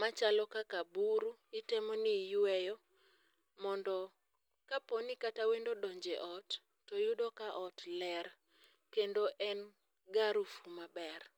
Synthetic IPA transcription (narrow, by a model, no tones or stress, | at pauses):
mat͡ʃalɔkakabuɾuɪtemɔnijwɛjɔ | mɔndɔ | kaponikatawendodɔɲd͡ʒeʔɔtː | ɔjudɔkaʔɔtlɛɾ | kendoʔɛn | ɡaɾufumabɛr